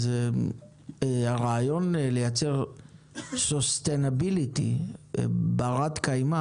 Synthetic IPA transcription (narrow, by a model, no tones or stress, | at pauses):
ze | aʁaːjo̞nlejat͡seʁ | sost̪enabilit̪ḭ | baʁat̪kajma